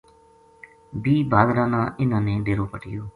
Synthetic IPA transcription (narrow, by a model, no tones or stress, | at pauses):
biːbaːd̪ɾãːnãːʔɪnãːneːd̪eːɾoːpəʈɪ̰joː